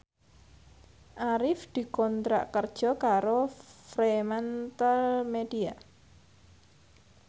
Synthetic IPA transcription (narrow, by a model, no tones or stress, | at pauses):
ʔaɾɪfd̪̥i̤kɔnt̪ɾa̰ʔkərd̥ʒ̥ɔ̤kaɾofɾemant̪əlmed̥ia